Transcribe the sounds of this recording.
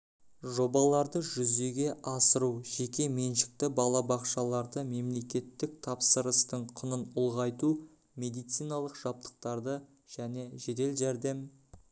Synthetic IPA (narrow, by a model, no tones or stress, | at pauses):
ʒo̞bɑlˠɑɾd̪əʒʏze̞ɡʲe̞ʔɑsəɾuʒe̞kʲe̞me̞nʃɪ̥k̚t̪ɪbɑlˠɑbɑqʃɑlˠɑɾd̪əme̞mle̞kʲe̞t̪ːɪk̚t̪ʰɑpsəɾəst̪əɴqʰʊnənʊlˠʁɑjt̪u | me̞d̪ijt̪sijnɑlˠəqʒ̥ɑp̚t̪ə̥q̚t̪ɑɾd̪ə | ʒ̥æne̞ʒe̞t̪e̞lʒæɾd̪e̞m